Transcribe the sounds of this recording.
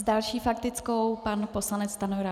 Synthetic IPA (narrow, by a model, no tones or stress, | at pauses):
zdalʃiːfakt̪ɪt͡skowpanpo̞slanɛt͡sst̪anovɪla